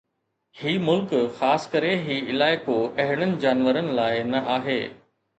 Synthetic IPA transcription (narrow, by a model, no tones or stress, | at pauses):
hiːmʊlkxaːskəɾeɦiːɪlaːɪkoɐɦɪɽ̃ənɪ̆d͡ʑaːnʋəɾənɪ̆laːɪnɐʔaːɦḛː